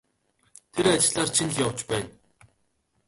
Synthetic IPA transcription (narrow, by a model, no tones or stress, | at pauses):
t̪ʰeɾat͡ɕɪɮaːrt͡ɕʰinɮjawt͡ɕpæːn